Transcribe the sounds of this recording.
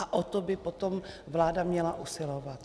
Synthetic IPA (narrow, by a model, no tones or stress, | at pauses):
aʔot̪obɪpot̪om | vlaːdamɲɛlaʔusɪlovat̪